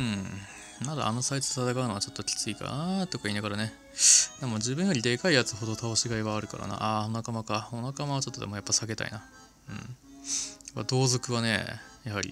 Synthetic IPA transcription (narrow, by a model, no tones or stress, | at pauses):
ɯ̟̃ | mad̪a̰ʔa̰no̞saitɨd̪et̪at̪akaɯ̟noat͡ɕo̞t̪ːokʲi̥t͡sɨika̰nt̪o̞kaiːnaɡaɾane̞ | d̪emod͡ʑɨːbɯ̟̃jo̞ɾʲid̪e̞kaijat͡sɨɦo̞d̪ot̪ʰaoɕiɡaiβaːɾɯ̟ka̰ɾa̰na̰ʔaonakamakao̞nakamaβat͡ɕo̞t̪ːod̪e̞mo̞japːasaɡe̞t̪a̰ḭna | ɯ̟̰̃ɴ | aad̪o̞ːzo̞kɯ̟βane̞̰jaɦaɾʲḭ